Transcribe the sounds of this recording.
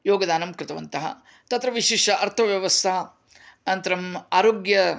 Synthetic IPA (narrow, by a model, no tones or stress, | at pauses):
joːɡɐd̪aːnɐmkɾɪt̪ɐʋɐnt̪ɐɦɐ̰ | t̪ɐt̪ɾɐʋiʃiːʂɐʔɐɾt̪ʰɐʋjɐʋɐst̪ʰɐɐ | nɐnt̪ɐɾɐmaːɾoːɡjɐ